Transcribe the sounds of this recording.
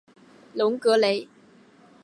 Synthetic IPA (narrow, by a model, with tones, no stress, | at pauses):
lʊ˨˦ŋkɤ˧˥le˨˥ɪ